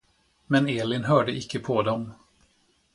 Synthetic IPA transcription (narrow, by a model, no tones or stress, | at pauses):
mɛneːlɪnɦœːɖəʔɪkːəpʰɔd̪ɔm